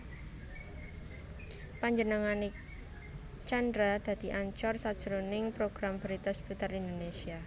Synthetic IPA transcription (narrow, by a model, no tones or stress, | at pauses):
paɲd͡ʒənəŋane | t͡ʃand̪ɾad̪̥ä̤d̪̥i̤ʔaɲt͡ʃɔrsad̥ʒ̥əɾonɪŋpɾoɡ̥ɾambəɾit̪asb̥ut̪aɾind̪onesia